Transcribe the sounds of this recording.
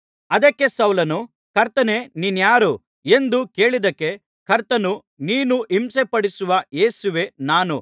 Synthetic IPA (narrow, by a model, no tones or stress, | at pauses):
ɐd̪ɐkːe̞sɐwlɐnu | kɐɾt̪ɐne̞ninjaːɾu | e̞nd̪uke̞ːɭid̪ɐkːe̞ | kʰɐɾt̪ɐnu | niːnuimsepɐɽisuʋɐje̞ːsuʋe̞naːnu